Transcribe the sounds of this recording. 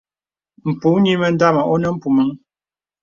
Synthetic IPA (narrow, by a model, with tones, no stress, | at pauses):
m̩˨pu˨˦ni˦mə˨n˦da˦˨ma˨ʔɔ˦nə˦m̩˦pu˨mə˨˦ŋ